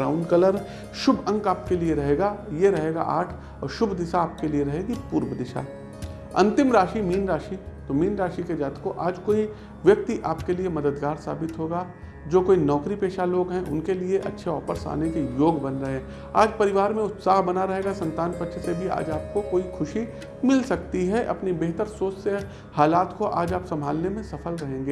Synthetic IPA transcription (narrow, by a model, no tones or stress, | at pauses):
aːʊ̃ɳɖkɐləɾ | ʃʊbʱɐ̃ŋɡaːp̚kelieɾɐɦeːɡaːjeɾɐɦeːɡa̰ʔa̰ːʈʰ | ɔːɾʃʊbʱd̪ɪsaːp̚kelieɾɐɦeːɡipuːɾʋəd̪ɪʃa̰ː | ɐ̰̃nt̪ɪmɾaːʃimiːnɾaːʃit̪omiːnɾaːʃiked͡ʒaːt̪koʔaːd͡ʒkoːi | ʋjɐk̚t̪iʔaːpkeliemɐd̪əd̪ɡaːɾsa̰ːbɪt̪ɦoːɡaː | d͡ʒoːkoːinɔːkɾipeːʃaloːɡɦɛ̃ʔʊ̰nkelieʔɐ̰tːʃʰeɔːfəɾsa̰ːnekejoːɡbɐnɾɐɦẽː | a̰ːd͡ʒpɐɾɪʋaːɾmẽʊt̪saːɦbɐnaɾɐɦeːɡasɐ̃nt̪aːnpɐtːʃʰsebʱia̰ːd͡ʒaːp̚kokoːixʰʊʃi | mɪlsɐk̚t̪iɦɛʔɐ̰pnibeːɦt̪əɾsoːsse | haːlaːt̪koʔaːd͡ʒaːpsɐ̃mbʱaːlnemẽsɐfəlɾɐɦẽːŋɡeː